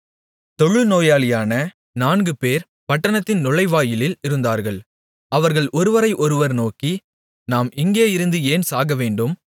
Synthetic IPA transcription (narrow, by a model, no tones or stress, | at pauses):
t̪ɔɻɯnoːjaːɭɪjaːnɐ | naːnɡɯpeːɾ | pɐʈːɐɳɐt̪ːɪnnʊɭɐɪʋaːjɪlɪlɪɾɯnd̪aːɾɣɐɭ | ɐʋɐɾɣɐɭɔɾɯʋɐɾɐɪʔɔɾɯʋɐɾnoːki | naːmɪŋɡeːɪɾɯnd̪ɯeːnsaːɣɐʋeːɳɖɯm